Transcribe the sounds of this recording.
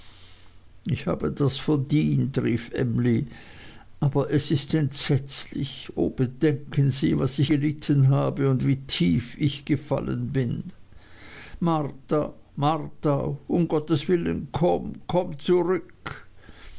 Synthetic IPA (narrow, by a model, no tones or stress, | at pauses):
ɪçha̰ːbədasfɛɐdiːntʁiːfʔɛ̰mli | ʔaːbɐʔɛsɪstɛntz̥ɛt͡slɪço̰ːb̥ədɛŋkʰənziːvasɪç̥əlɪtʰənɦaːbəʊndv̥iːtʰiːfɪçɡ̥əfa̰lə̰nbɪn | maʁta | maʁtaʔʊmɡɔtəsv̥ɪlə̰nkʰɔmkʰɔmt͡suʁʏk